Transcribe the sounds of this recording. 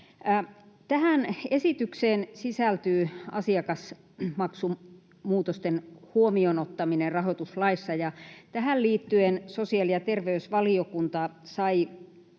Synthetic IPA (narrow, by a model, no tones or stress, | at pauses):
t̪æhænesit̪ykseːnsisælt̪yːɑ̰siɑkɑs | mɑksu | muːt̪ost̪enhuomionot̪ːɑminerrɑɦot̪uslɑisːɑjɑt̪æɦælliːt̪ːyensosiɑljɑt̪erʋeysʋɑliokunt̪ɑsɑi